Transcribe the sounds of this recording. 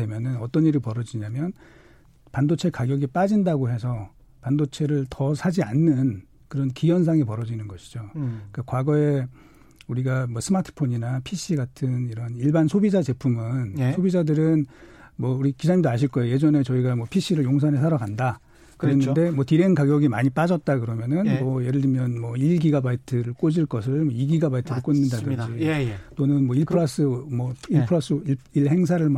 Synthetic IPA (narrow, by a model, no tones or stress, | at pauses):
emjʌnɯnʌt͈ʌniɾɯɭpʌɾʌd͡ʑiɲamjʌn | pandot͡ɕʰe̞kaɡjʌɡip͈ad͡ʑindaɡohe̞sʰʌ | pandot͡ɕʰe̞ɾɯɭtʌsʰad͡ʑianːɯn | kɯɾʌnkijʌns̬ʰaŋepʌɾʌd͡ʑinɯnɡʌɕʰi̥d͡ʑok͈akwaɡʌe̞ | uɾiɡamwʌsʰɯmatʰɯ̥pʰoɲinapʰiɕ͈ʰiɡatʰɯniɾʌniɭbansʰobid͡ʑat͡ɕe̞pʰumɯnsʰobid͡ʑadɯɾɯnmwʌuɾikid͡ʑaɲimdoaɕʰiɭk͈ʌejoje̞d͡ʑʌne̞t͡ɕʌiɡamwʌpʰiɕ͈ʰiɾɯɭjoŋs̬ʰanes̬ʰaɾaɡanda | kɯɾenɯnde̞mwʌtiɾenkaɡjʌɡimaɲip͈ad͡ʑʌt̚t͈akɯɾʌmjʌnɯnmʌjeɾɯɭdɯmjʌnmwʌiɭɡiɡabaitʰɯɾɯɭk͈od͡ʑiɭk͈ʌsʰɯɭmwʌiɡiɡabaitʰɯɾɯɭk͈onːɯndadɯnd͡ʑit͈onɯnmwʌiɭpʰɾas͈ɯmʌiɭpʰɯɾas͈ɯiɭɦe̞ŋs̬ʰaɾɯɭm